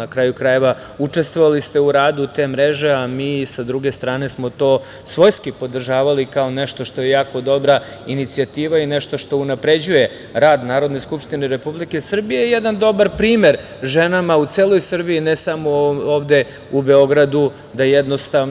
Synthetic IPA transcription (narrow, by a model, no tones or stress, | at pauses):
akɾaːjukɾaje̞ʋa | ut͡ʂe̞st̪ʋo̞ʋalist̪e̞uɾaːd̪ut̪eːmɾeʒe̞amiːsad̪ɾuɡe̞st̪ɾaːne̞smo̞t̪o̞ː | sʋo̞jskipo̞d̪r̩ʒaːʋalikao̞neʃt̪o̞ʃt̪o̞jejaːko̞d̪o̞bɾa | init̪siat̪iːʋaineʃt̪o̞ʃt̪o̞unapɾe̞d͡ʑuje̞ | ɾaːd̪naːɾo̞d̪ne̞skupʂt̪ineɾe̞publike̞sr̩bijejed̪and̪o̞baɾpɾiːme̞ɾ | ʒenamaut̪seːlˠo̞jsr̩biːnesamooːʋd̪e̞ | ube̞o̞ɡɾad̪u | d̪ajed̪no̞st̪a